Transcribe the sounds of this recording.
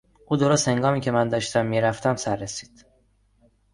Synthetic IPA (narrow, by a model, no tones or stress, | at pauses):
ʔuːd̪o̞ɾost̪he̞ŋɡɒːmiːcʰe̞mænd̪ɒːʃt̪ʰæmːiːɾæft̪æmsæɾːesi̥ːd̪̥